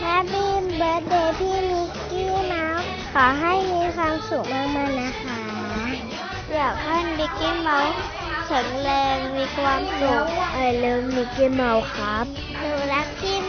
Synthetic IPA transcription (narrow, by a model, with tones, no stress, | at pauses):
ɾa˦˥biː˧mbɤː˦˥t̪̚deː˧˩pʰiː˥˩˨mi˧˥kiː˥˩ma˧˥w | kʰɔː˩˦ɦa˥˩jmiː˧kʰwaː˧msu˨˩k̚maː˥˩k̚maː˧˩na˦˥kʰa˦˥ | jaː˨˩k̚ha˧˥˩nmi˧ki˥˩ma˧w | sʰɯ˨˩˦ŋlɛː˧ŋmiː˧kʰwaː˧m̚su˨˩k̚ʔa˨˩lɤː˦˥˩mi˧kiː˦˧˩ma˧˥wkʰa˦˥p̚ | suː˨˧˩la˦˥p̚ki˧˥˩